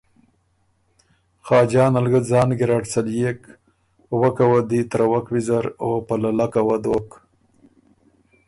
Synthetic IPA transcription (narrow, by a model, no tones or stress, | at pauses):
xɑːd͡ʒɑːnalɡəzɑːnɡiɾɑʈsaljek | wakawad̪it̪ɾawakwizaɾopalalakawad̪oːk